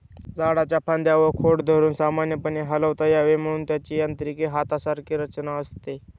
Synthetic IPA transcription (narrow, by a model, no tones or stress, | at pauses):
d͡zaɽat͡ɕapʰand̪jaʋəkʰoɽd̪ʱəɾuːnsamanjəpəɳeɦələʋt̪ajaʋem̤əɽ̃uːnt̪jat͡ɕiːjant̪əɾikeɦat̪asaɾkʰiːɾət͡ɕnaəst̪e